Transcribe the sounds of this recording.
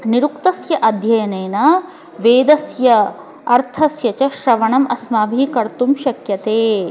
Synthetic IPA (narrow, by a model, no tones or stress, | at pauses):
niɾukt̪ɐsjɐʔɐd̪ʱjɐjɐnɐːnɐ | ʋeːd̪ɐsjɐ | ɐɾt̪ʰɐsjɐt͡ʃɐʃɾɐʋɐɳɐmɐsmaːbʱikɐɾt̪umʃɐkjɐt̪eː